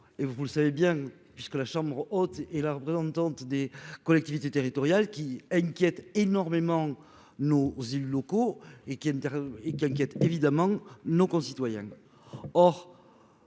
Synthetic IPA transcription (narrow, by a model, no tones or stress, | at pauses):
evvuləsavebjɛ̃ | pɥiskəlaʃɑ̃bʁɔt̪ɛlaʁəpχezɑ̃t̪ɑ̃t̪d̪ekɔlɛkt̪ivit̪et̪eʁit̪ɔʁjalkʲiɛ̃kʲjɛt̪enɔʁmemɑ̃ | nozelylɔkoekʲiɛ̃t̪ɛʁekʲiɛ̃ŋk̬ʲjɛt̪evid̪amɑ̃nokɔ̃sit̪wajɛ̰̃ | ɔʁ